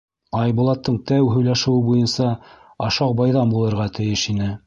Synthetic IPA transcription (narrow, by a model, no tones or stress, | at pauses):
ɑjbulˠɑt̪ːɤɴt̪æwɦɵ̆jlæʃɘ̆wɘbujɤnsɑ | ɑʃɑqbɑjðɑmbulˠɤ̆ɾʁɑt̪ɘ̆jɘʃinɘ